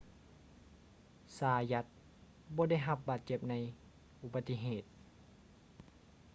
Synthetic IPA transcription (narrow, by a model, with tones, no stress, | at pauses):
saː˧˦ja˧˥t̪̚ | bɔː˧˦da˥˩jɦa˧p̚baː˨˩t̪̚t͡ɕe˧˩p̚na˧˥j | ʔu˧ba˧t̪ːi˧ɦeː˨˩t̪̚